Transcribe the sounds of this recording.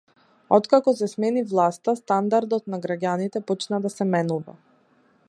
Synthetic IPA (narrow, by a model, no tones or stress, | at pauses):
ɔt̪kakɔsɛsmɛnivlˠast̪ast̪and̪aɾd̪ɔt̪naɡɾaɟʲanit̪ɛpɔt͡ʃnad̪asɛmɛnuvɛ̰